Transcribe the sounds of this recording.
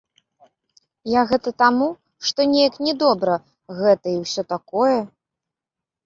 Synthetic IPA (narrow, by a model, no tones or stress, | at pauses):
jaɣɛt̪ɐt̪amu | ʂt̪ɔnʲejɐknʲɛd̪ɔbɾɐ | ɣɛt̪ɐiwsʲɔt̪akɔjɛ